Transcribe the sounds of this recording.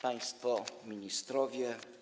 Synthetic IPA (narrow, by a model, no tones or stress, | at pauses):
paj̃st̪fɔmʲiɲist̪ɾɔvʲjɛ